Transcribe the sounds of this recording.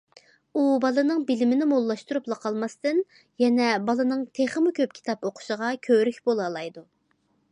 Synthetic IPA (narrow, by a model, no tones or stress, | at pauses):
ubɑlˠɨnɨŋbɪlɪmɪnɪmolˠːɑʃt̪uɾuplˠɑqʰɑlˠmɑst̪ɨn | jɛnɛbɑlˠɨnɨŋt̪ʰeχəmukʲʰøp̚kʲʰi̥t̪ɑpoqʰʊ̥ʃəʁɑkʲʰøɾykʲbolˠɑlˠɑjd̪u